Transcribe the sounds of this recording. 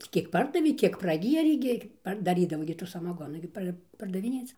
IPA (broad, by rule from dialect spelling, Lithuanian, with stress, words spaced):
ˈtʲiː kʲiɛk ˈpɐrdɐʋʲeː ˈkʲiɛk prɐˈɡʲiɛrʲeː ɡʲɪ ˈpɐr dɐˈrʲiːdɐʋoː ɡʲɪ tuː sɐmɐˈɡoːnuː ɡʲɪ ˈpɐr pɐrdɐʋʲɪˈnʲeːt͡s